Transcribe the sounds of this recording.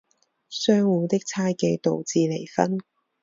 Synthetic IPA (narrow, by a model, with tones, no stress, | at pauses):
sœː˥ŋwuː˨˧t̪ɪ˥k̚t͡sʰaː˥jke˧t̪o˨˧wt͡siː˨˧le˨˩jfɐ˥n